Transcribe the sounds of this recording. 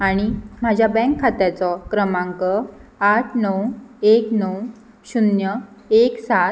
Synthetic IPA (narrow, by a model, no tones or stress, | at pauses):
aɽ̃im̤ad͡ʑʱjabɛ̃ŋkʰːat̪jat͡sɔkɾəmãŋkəaʈʰnəweknəw | ɕunjəeksa